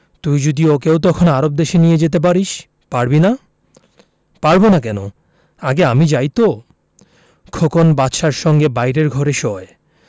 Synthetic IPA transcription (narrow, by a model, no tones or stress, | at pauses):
t̪ujd͡ʑod̪iokewt̪̬ɔkʰonaɾob̚d̪eʃenijed͡ʑet̪̬ep̬aɾiʃ | paɾbina | paɾbonakɛno̰ | aɡeamid͡ʑajt̪o | kʰokonbatːʃaɾʃɔŋɡebajɾeɾɡʱɔɾeʃɔe